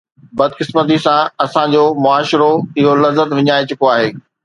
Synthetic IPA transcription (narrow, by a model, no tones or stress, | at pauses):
bɐd̪kɪsmət̪̬isãɐsãd͡ʑoːmʊaːʃɾoɪɦolɐzːət̪ʋɪɲaːit͡ɕʊkoaːɦeː